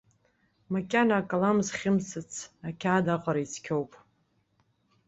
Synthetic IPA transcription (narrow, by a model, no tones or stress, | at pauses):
makʲʼanaakʼalamzχʲɪmsɨt͡sʰakʲʰaːdaqʼaɾait͡sʰkʲʰowpʼ